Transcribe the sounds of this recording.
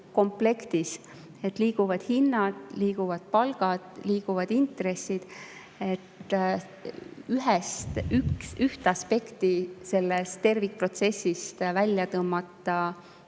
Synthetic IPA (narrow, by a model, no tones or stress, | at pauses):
ko̞mple̞kt̪is | e̞t̪ˑliːɡ̥uvɑd̪̥hinːɑd̪̥liːɡ̥uvɑd̪̥̚pɑlɡ̥ɑd̪̥liːɡ̥uvɑd̪int̪re̞sːid̪̥ | e̞t̪ː | yɦɛst̪yksyht̪ɑspe̞kt̪ise̞lːest̪e̞rvikpro̞t̪se̞sːist̪vælʲjɑt̪ɤmːɑt̪ːˑɑ